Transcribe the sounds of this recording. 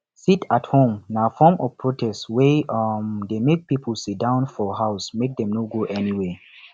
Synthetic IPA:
sitathõmnafɔmɔvpʰɹotʰɛstwɛmdemek̚pipəl̩sit̚dãʊ̃nfɔɦaʊsmek̚dɛ̃mnoɡoʔɛniwe

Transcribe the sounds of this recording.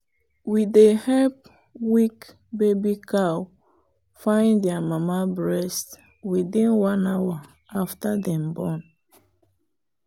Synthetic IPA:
widehɛlp̚ | wik | bebikaw | fãɪ̃ndɛamamabɹɛst | wiθĩnwãnawa | aftadɛ̃mbɔn

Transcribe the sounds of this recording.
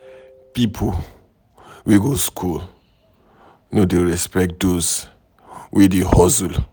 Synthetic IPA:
pipʰɔ | wiɡoskʰul | nodeɹɛspɛk̚t̚doz | wʔidihɔzul

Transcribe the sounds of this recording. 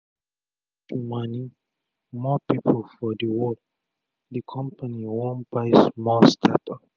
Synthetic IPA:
tumani | mɔpipʰlfɔdəwɔ | dikʰɔ̃mpaniwɔ̃nbaɪsmɔstʰatɔ

